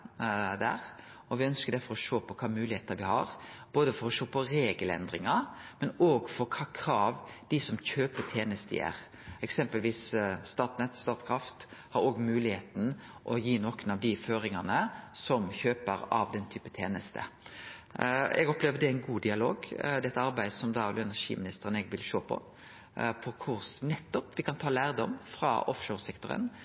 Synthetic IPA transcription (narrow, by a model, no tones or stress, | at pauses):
d̪æ̰ːɾ | ɔʋɪœnskəd̪æfɔɾɔʃoːpʰɔkʰɑːmʉːlɪeːt̪əʋɪhɑ̰ɾb̥oːd̪əfɔɾɔʃoːpʰɔɾeːɡəlɛ̰nd̪ɾɪŋɑmɛnoːɡfɔɾkʰɑːkʰɾɑːʋd̪̥ɪsɔmçøːpət̪ʰeːnəst̪ə̰æ̰ːɾ | ɛksɛmpəlʋiːsst̪ɑːʈ̪nɛt̪st̪ɑːt̪kʰɾɑft̪hɑɾoːɡmʉːlɪheːt̪n̩ʔɔjiːnɔkənɑʋd̪ɪføːɾɪŋɑnəsɔmçøːpəɾɑ̰ʋd̪ɛnt̪ʰyːpət̪ʰeːnəst̪ʰə̰ | ɛ̰ɡɔpleːʋəd̪ɛæɪnɡuːd̪ɪɑlo̰ːɡd̪ɛt̪ːəɑɾbæɪd̪sɔmd̪ɑɔlɛnæɾʂḭːmɪnɪst̪əɾənɛɡʋɪlʃoːpʰɔ̰ | pʰɔkʰʊɾsnɛt̪ːɔpʋɪkʰɑnt̪ʰɑːlæːɾd̪ɔmːfʁɑ̰ɔfʃoːɾsɛkt̪ʊɾə̰n